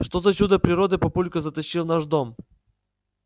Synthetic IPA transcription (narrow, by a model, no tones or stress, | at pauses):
ʂt̪ozɐt͡ɕud̪əpɾʲɪɾod̪ɨpɐpulʲkəzət̪ɐɕːilˠnaʐd̪om